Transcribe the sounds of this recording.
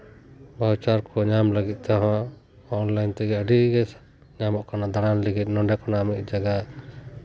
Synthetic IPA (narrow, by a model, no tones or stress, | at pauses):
bawt͡ʃaɾkʰɔɲamləɡit̪̚ˀt̪ɔɦã | ɔnlajnt̪ɛɡɛəɖiɡɛ | ɲamɔʔkanad̪aɽanliɡit̪̚nɔɖɛkɔnamit̪̚ˀd͡ʒaɡaʔ